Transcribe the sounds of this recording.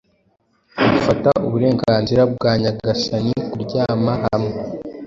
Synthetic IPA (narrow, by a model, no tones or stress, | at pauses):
ɡufatauβuɾe̞ːŋɡaːnziɾab̚ɡaːɲaɡasanikuɾɟaːmaɦamŋe